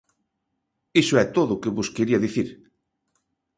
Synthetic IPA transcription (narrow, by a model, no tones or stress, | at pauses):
isʊɛt̪oðʊːkeβoskeɾiɐðiθiɾ